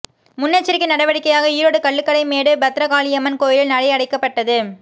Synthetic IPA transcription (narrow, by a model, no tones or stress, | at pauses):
mʊnːɐt͡ʃːɪɾɪkːɪnɐɽɐʋɐɽɪkːɐjaːɣɐiɾoːɽɯkɐɭːɯkːɐɭɐɪmeːɽɯbɐt̪ːɾɐkaːlɪɛmɐnkoːjɪlɪlnɐɽɐɪɐɽɐɪkːɐpːɐʈːɐðɯ